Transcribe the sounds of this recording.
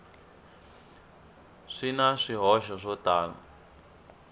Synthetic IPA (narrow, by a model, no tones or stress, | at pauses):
ʂinaʂiɦɔʃɔʂɔtaːla̰